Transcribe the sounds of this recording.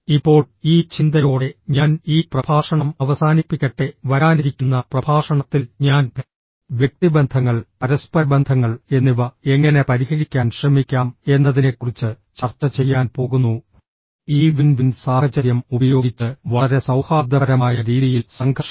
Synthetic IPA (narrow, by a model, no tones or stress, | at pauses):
ipːo̞ːɭ | iːt͡ɕind̪ɐjoːɽe̞ɲaːniːprɐbʱaːʂɐɳɐmɐʋɐsaːnipːikʲːeʈːe̞ʋɐɾaːniɾikʲːunːɐprɐbʱaːʂɐɳɐt̪ːilɲaːn | ʋjek̚t̪ibend̪ʱɐŋːɐɭpɐɾɐspɐbend̪ʱɐŋːɐɭe̞nːiʋɐe̞ŋːɐne̞pɐɾihɐɣikʲːaːnɕrɐmikʲːaːme̞nːɐðine̞kːurit͡ɕːɨ | t͡ɕɐrt͡ɕːɐt͡ɕe̞jːaːnpo̞ːɣunːu | iːʋinʋinsaːhɐt͡ɕɐɾjɐmubɐjo̞ːɡit͡ɕːɨʋɐɭɐɾe̞sɐwhaːb̚d̪ɐɾɐmaːjɐɾiːðijilsɐŋɡʱɐʂ